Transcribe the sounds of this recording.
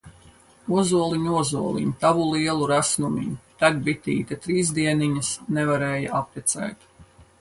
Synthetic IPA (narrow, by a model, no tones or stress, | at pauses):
uzuɔlˠiɲuɔzuɔlˠḭɲut̪avulˠiɛlˠuɾasnumḭɲut̪aɡbit̪ḭːt̪at̪ɾiːzd̪iɛniɲɐsnevaɾɛːjaapɾit̪sɛ̰ːt̪